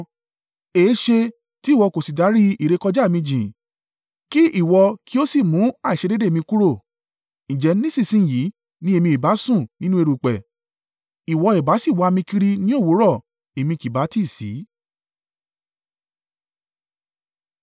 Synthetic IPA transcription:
e˨˦ʃe˧ | ti˦˨wɔ˧ko˨si˨da˨˦ɾi˦i˨ɾe˧kɔ˧d͡ʒa˦˨mĩ˧d͡ʒĩ˨ | ki˦ʔi˦˨wɔ˧ki˦o˦si˦˨mũ˨˦a˦˨i˨ʃe˧de˦de˦˨mĩ˧ku˦ɾo˦˨ | ñ̩˨d͡ʒɛ˨˦nĩ˦sĩ˦˨sĩ˦˨ji˨˦ | nĩ˦e˧mĩ˧i˨ba˨˦sũ˦˨nĩ˦nũ˦e˧ɾu˨k͡pɛ˨ | i˨wɔ˧e˨ba˨˦si˦˨wa˨˦a˧mĩ˧ki˧ɾi˧nĩ˦o˦˨wo˨˦ɾɔ˦˨ | e˨mĩ˧ki˨ba˨˦ti˦˨sḭ˨˦

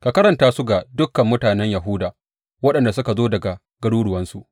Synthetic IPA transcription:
ka˨kɐ˦ɾɐ˨ntaː˦su˦ɡa˨dʊ˦kːɐ˨mːʊ˦taː˨nɛ˦ɲjɐ˨ɦʊ˦daː˨ | wɐ˦ɗɐ˨nda˨s̬ʊ˦ka˨zoː˦dɐ˨ɡa˨ | ɡɐ˦ɽuː˦ɽʊ˨wɐ˦nsu˨ʔ

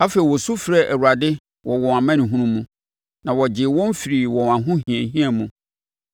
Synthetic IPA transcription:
a˦fe˨i˨wɔ˨su˦fɾɛ˦˨ʔæ˨wu˨ɾa˨dɪ˦ | wʔɔ˨wɔ̃˨a˨mã˦nĩ˨ɦũ˦nũ˦mũ˦ | nã˨wɔ˨d͡ʑɪ˨wɔ̃˦m˦fi˨ɾi˨wɔ̃˨ã˨ɦʊ̃˦hĩ˨ɛ̃˨ɦĩ˦a˨mũ˨

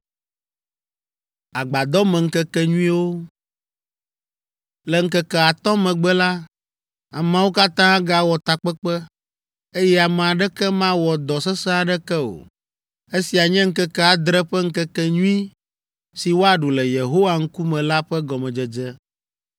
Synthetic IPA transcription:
a˨ɡ͡ba˨d̪ɔ˦mɛ̃˨ŋ̩˦kɛ˦kɛ˦ɲũ˦ĩ˦wo˦ | lɛ˨ŋ̩˦kɛ˦kɛ˨a˨t̪ɔ̃˦mɛ̃˨ɡ͡bɛ˦la˦ | a̰˨mã˦wo˦ka˦t̪ã˦a˦ɡa˨wɔ˨t̪a˨k͡pɛ˦k͡pɛ˦ | e˦jɛ˦a˨mɛ˨a˨ɖɛ˦kɛ˦mã˦wɔ˨d̪ɔ˨sɛ˦sɛ˦a˨ɖɛ˦kɛ˦o̰˨ | e˦si˨a˨ɲɛ̃˦ŋ̩˦kɛ˦kɛ˦a˨d̪ɾɛ˦ɸɛ˦ŋ̩˦kɛ˦kɛ˦ɲũ˦ĩ˦ | si˨wo˦a˨ɖu˨lɛ˨je˨ɦo˦wa˨ŋ̩˦ku˦mɛ̃˨la˦ɸɛ˦ɡɔ˨mɛ̃˨d͡ʒɛ˨d͡ʒɛ˦

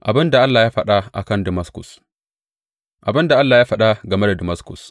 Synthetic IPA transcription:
ʔa˨bɪ˦nda˨ʔa˦lːaː˨jaː˦ɸɐ˦ɗa˦ʔa̰˨kɐ˦˨ndɪ˨mɐ˦skʊ̰˨s | ʔa˨bɪ˦nda˨ʔa˦lːaː˨jaː˦ɸɐ˦˨ɗa˦ɡɐ˨me˦da˨dɪ˨mɐ˦skʊ̰˨s

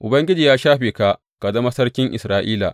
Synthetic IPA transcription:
ʔʊ˨bɐ˦ŋɡʲɪ˦d͡ʒiː˨jaː˦ʃaː˦ɸeː˨ka˦˨ʔ | ka˨dɐ˦mɐ˦sɐ˦rkʲɪ˦ŋʔɪ̰˨sɾaː˦ʔiː˦la̰˨ʔ

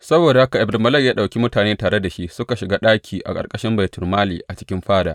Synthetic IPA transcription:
sɐ˦boː˨da˨ha˦ka˨ʔɪ˨bmɐ˦lɐ˦kjaː˦ɗa˨wkʲi˦mʊ˦taː˨neː˦taː˨ɽe˦da˨ʃi˦ʔsʊ˦ka˨ʃɪ˨ɡaː˦ɗaː˦kʲʰiː˨ʔa̰˨kʼɐ̰˨rkʼɐ˦ʃɪ˦mba˨tʊ˨rmaː˦lḭː˨ʔa˨t͡ʃɪ̥˦kʲɪ˦mɸaː˦da̰ː˨

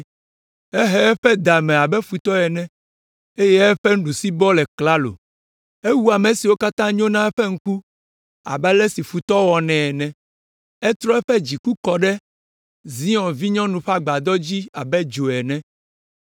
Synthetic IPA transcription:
ɛ˦ɦɛ˦ɛ˦ɸɛ˦d̪a˨mɛ̃˨a˨bɛ˦fu˨t̪ɔ˦ɛ˨nɛ̃˦ | e˦jɛ˦ɛ˦ɸɛ˦ñ̩˦ɖu˨si˦bɔ˦lɛ˨kla˦lo̰˨ | e˦wu˦a˨mẽ˨si˨wo˦ka˦t̪ã˦ɲõ˦nã˦ɛ˦ɸɛ˦ŋ̩˦ku˦ | a̰˨bɛ˦lɛ˦si˨fu˨t̪ɔ˦wɔ˨nɛ̃˨ɛ˨nɛ̃˨ | ɛ˦t̪ɾɔ˦ɛ˦ɸɛ˦d͡ʑi˨ku˦kɔ˨ɖɛ˦ | zi˦ɔ̃˨vi˦ɲɔ̃˦nũ˨ɸa˦ɡ͡ba˨d̪ɔ˦d͡ʑi˦a˨bɛ˦d͡ʒo˨ɛ˨nɛ̃˦

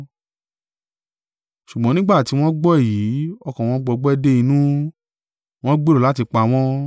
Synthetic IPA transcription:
ʃu˨ɡ͡bɔ̃˦nĩ˦ɡ͡ba˦˨ti˨˦w̃ɔ̃˦ɡ͡bɔ˦ɛ˦˨ji˨˦ɔ˧kɔ̃˨w̃ɔ̃˧˦ɡ͡bɔ˧ɡ͡bɛ˦de˦i˧nũ˦ | w̃ɔ̃˦ɡ͡be˦ɾo˨la˨˦ti˧k͡pa˧w̃ɔ̃˦

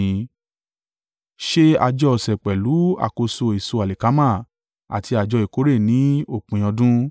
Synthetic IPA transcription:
ʃe˦a̰˧d͡ʒɔ˧˨sɛ˨k͡pɛ˨lu˨˦a̰˨ko˧so˧i˨so˧a˨le˨ka˨˦mã˦˨ | a̰˨ti˧a˨d͡ʒɔ˧i˨ko˨˦ɾe˦˨nĩ˨˦o˦˨k͡pũ˨j̃ɔ̃˧dũ˦

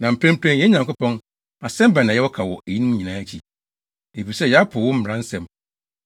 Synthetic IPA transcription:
nã˨m̩˨pʰɾæ̃˦m̩˦pʰɾɛ̃˦njɛ˦ɲã˨ŋkʊ˦pɔ̃˦n | a˨sɛ̃˦m˦ba˨nã˨jɛ˦wɔ˦kʰa˨wɔ˨ʔe˨ji˦nũ˦m˦ɲĩ˨nãː˨˦t͡ɕʰi˨ | e˨fi˨sɛ˦jɛ˨˦a˦pʰʊ˨wʊ̃˦m̩˦m˨ɾã˦n̩˦sɛ̃˨m

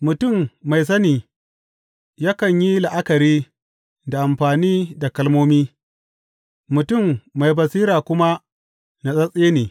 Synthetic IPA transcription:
mʊ˨tʊ˦˨mːa˨js̬ɐ˦niː˨ | jaː˦kɐ˨ɲji˦la˨ʔa˦kɐ˨ɾiː˦ | da˨ʔa˨mɸaː˨niː˦da˨kɐ˦lmoː˦miː˦ | mʊ˨tʊ˦˨mːa˨jbɐ˨siː˦ɾaː˨kʷʊ˦ma˦ | na˨sʼɐ˦sʼeː˦neː˨

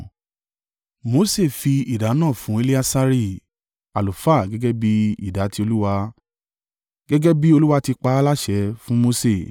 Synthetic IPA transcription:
mo˧˦se˦˨fi˧i˦˨da˨˦nãː˦˨fũ˨˦e˧˦li˦a˧sa˧ɾi˦˨ | a˨lo˨fa˦˨ɡɛ˦ɡɛ˦bi˦ḭ˦˨da˨˦ti˧˦o˧lu˦wa˧ | ɡ̥ɛ˦ɡɛ˦bi˦o˧lu˦wa˧ti˧k͡pa˧a˦la˦ʃɛ˨˦fũ˦mo˧se˦˨

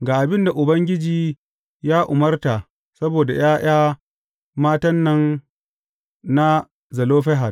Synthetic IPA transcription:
ɡaː˨ʔa˨bɪ˦nda˨ʔʊ˨bɐ˦ŋɡʲɪ˦d͡ʒiː˨ | jaː˦ʔʊ˨mɐ˦rta˨ʔ | sɐ˦boː˨da˨j̰aː˦j̰aː˦ | maː˦tɐ˦nːɐ˦n | na˦ | zɐ˨loː˦ɸɛ˦ɦa˨d

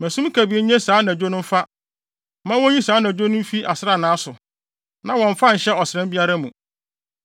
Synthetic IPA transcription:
mæ̃˨sũ˦m˦kʰæ˨bi˨e˦ɲɛ̃˦saː˨˦nã˨d͡ʑᶣo˦nʊ̃˦m̩˦fa˦ | mã˦wɔ̃˦ɲĩ˦saː˨˦nã˨d͡ʑᶣo˦nʊ̃˦fi˦ʔa˨sɪ˦ɾa˦˨nãː˨˦sʊ˨ | nã˦wɔ̃˨ɱ̩˨fã˦ɲ̩˨ɕɛ˦ɔ˨sɪ˨ɾɛ̃˦mbi˦a˦ɾa˦mũ˨

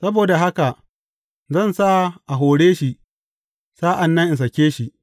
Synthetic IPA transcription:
sɐ˦boː˨da˨ɦa˦ka˨ʔ | zɐ˦˨nsa˦˨ʔa˨ɦoː˨ɽeː˦ʃi˨ʔ | saː˦ʔa˨nːɐ˦ŋʔɪ˨ns̬ɐ˨kʲeː˦ʃi˨ʔ

